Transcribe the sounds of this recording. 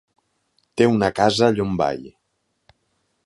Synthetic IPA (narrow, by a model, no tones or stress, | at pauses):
t̪eunakazaʎomba̰j